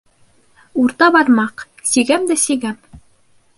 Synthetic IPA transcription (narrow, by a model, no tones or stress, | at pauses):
uɾt̪ɑbɑɾmɑq | siɡæmd̪æsiɡæm